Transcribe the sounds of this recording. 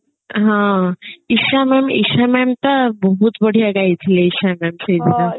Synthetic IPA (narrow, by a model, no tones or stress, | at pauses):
ɦãiʃamɛmḭʃamɛmt̪abəɦut̪bəɽ̤ijaɡajt̪ʰileiʃamɛmʃəjd̪ina